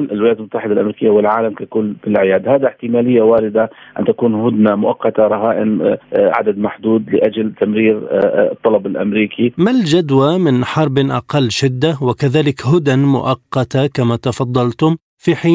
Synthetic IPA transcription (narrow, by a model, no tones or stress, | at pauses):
lʔɪlwɪlaːt̪lmʊt̪ːaħɪd̪alʔamɾiːkɪjːawɪlʕaːlamkakʊlːfɪlʕɪjaːd̪haːd̪aħt̪ɪmaːlɪjːawaːɾɪd̪aʔɪ̰nt̪akuːnhʊd̪namʊʔɑqːɑt̪aɾˤɑɦaːʔɪnʕa̰d̪ad̪maħd̪uːd̪lɪʔad͡ʒlt̪amɾiːɾt̪ˤːɑlɑbɪlʔa̰mɾiːkʰimald͡ʒad̪wamɪnħɑɾˤbʔɑ̰qɑlːʃɪd̪ːawɪkaðaːlɪkɦʊd̪anmʊ̰ʔɑqːɑt̪akamat̪ɑfɑd̪ˤːɑlt̪ʊm | fiħiː